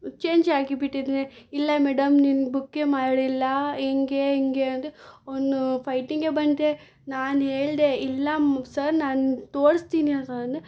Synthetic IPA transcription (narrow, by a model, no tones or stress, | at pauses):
t͡ʃeːɲd͡ʒaːɡibiʈːid̪neilːɐmeːɽɐmninbukːeːmaːɽilːɐeŋɡeːiŋɡeɐnd̪eond̪upʰɐjʈiŋɡebɐɳd̪e | naːnɦeːɭd̪eilːɐsɐɾnaːnt̪oːɽst̪iːniɐnt̪ɐnd̪e